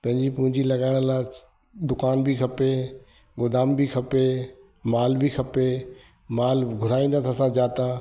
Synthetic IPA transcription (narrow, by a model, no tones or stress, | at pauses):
pɐ̃ɦɪ̃ɲd͡ʑipʊ̃ɦɪ̃ɲd͡ʑilɐɠaːɪɽ̃laːɪ | d̪ʊkaːnbʱikʰɐpe | ɡʊd̪aːmbʱikʰɐpe | maːlbʱikʰɐpe | maːlɡʱʊɾaːĩːnd̪at̪ʰaːsãd͡ʑaːt̪ãː